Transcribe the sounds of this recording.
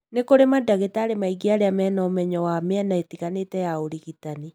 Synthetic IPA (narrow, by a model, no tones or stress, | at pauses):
nekoɾemadaɣetaːɾemaiɡiaɾeamɛːnɔmɛɲɔwameɛnaetiɣanetɛjaoɾiɣitani